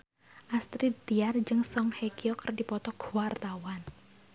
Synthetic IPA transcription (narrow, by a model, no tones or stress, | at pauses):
ʔast̪ɾid̪̥iard͡ʒɨŋsɔŋhekiɔkərdipɔt̪ɔɡ̥uwart̪awan